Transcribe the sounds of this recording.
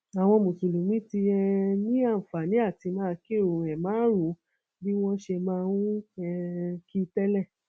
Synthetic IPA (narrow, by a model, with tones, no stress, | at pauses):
a˨w̃ɔ̃˧mũ˨su˨lu˨mĩ˦ti˧ɛ˧nĩ˦a˦˨fa˨nĩ˨˦a˦˨ti˧mãː˦˧ke˦˨ɾõ˨ɛ˨mãː˨˦ɾũ˨˦ | bi˦w̃ɔ̃˦ʃe˧mãː˦˧wũ˦ɛ˧ki˦tɛ˦lɛ˦˨